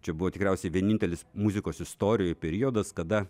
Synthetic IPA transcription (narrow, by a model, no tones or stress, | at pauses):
t͡ʃʲɛbʊʋoːt̪ʲɪkɾʲɛˑʊsʲɛɪʋʲiɛnʲɪnʲt̪ʲɛlʲɪsmuzʲɪkoːsɪst̪oːɾʲɪjojpʲɛɾʲioːd̪ɐskɐd̪ɐ